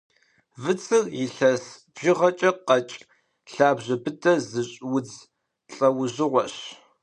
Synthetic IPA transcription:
vɨt͡sʰɨrjɪɬɐsb̥ʒɪʁɐt͡ʃʼɐqɐt͡ʃʼ | ɬaːbʑɐbɨtʰɐzɨɕʼwʊd͡z | ɬʼɐwʊʑɪʁʷɔɕ

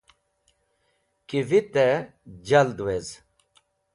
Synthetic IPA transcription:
kivit̪ed͡ʑɐld̪wez

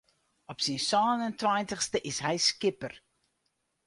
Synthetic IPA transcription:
ɔpsinsɔːnəntwajntəxstəʔɪsɦɛjskɪpər

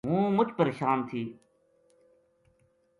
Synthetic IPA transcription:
ɦũːmʊd͡ʒpəɾeːʃaːnt̪ʰiː

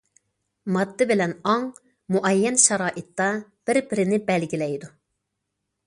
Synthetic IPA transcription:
mɑd̪ːɨbɪlɛnɑŋ | muʔɛjːɛnʃɑɾɑːʔɪt̪ːɑb̥ɪɾbɪɾɪnɪbɛlɡʲilɛjd̪u

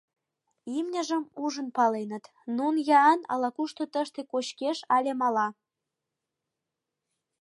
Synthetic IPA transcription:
imnʲəʒəmuʒənpɑlenət̪ | nunjɑːnɑ̰lɑkuʃt̪ot̪əʃt̪ekoɕkeʃɑlʲemɑlɑ

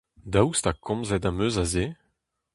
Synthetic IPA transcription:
dawst̪akʰɔ̃mzɛtamøːzaze

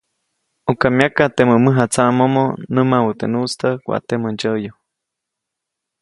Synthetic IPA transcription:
ukamjakat̪eməməɦat͡saʔmomonəmawut̪enust̪əkʷa̰t̪emənd͡ʒəjo

